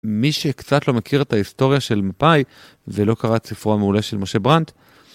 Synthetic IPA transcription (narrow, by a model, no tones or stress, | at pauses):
miʃekt͡sat̪lo̞mekiʁet̪aist̪o̞ʁjaʃe̞lmapaj | velo̞kaʁat͡sifoameule̞ʃelmo̞ʃe̞bʁant̪